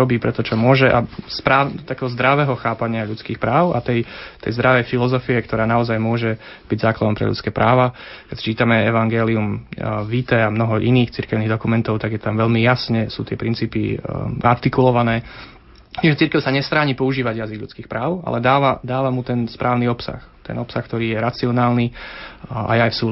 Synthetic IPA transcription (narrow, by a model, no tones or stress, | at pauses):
ɔbiːpɾɛt̪ɔt͡ʃɔmʊɔʒɛʔaspɾaːt̪akɛːɦɔzd̪ɾaʋɛɦɔxaːpaɲɪaʎut͡skiːxpɾaːʊa̰t̪ɛjt̪ɛ̰jzd̪ɾaʋɛjfilɔzɔfiɛkt̪ɔɾaːnaɔzajmʊɔʒɛb̥iɟzaːklad̪ɔmpɾɛ̰ʎṵt͡skɛːpɾʔaːʋakɛcst͡ʃiːt̪amɛɛʋaŋɡɛːliumʋit̪ɛamnɔɦɔʔiniːxt͡siɾkɛʊniɣd̪ɔkumɛnt̪ɔʊt̪aɡjɛt̪amʋɛʎmijasɲɛsṵːt̪ɪɛpɾint͡siːpia̰ɾt̪ikulɔʋanɛː | t͡ʃimʒɛt͡siɾkɛʊsaɲɛst̪ɾaːɲipɔuʒiːʋaɟjaziɡʎṵt͡skiːxpɾaːʊa̰lɛd̪aːʋad̪aːʋamut̪ɛnspɾʔaːʊniɔpsa̰xt̪ɛ̰nɔpsaxk̚t̪ɔɾiːjɛɾat͡siɔnaːlni | a̰jɛajfsuː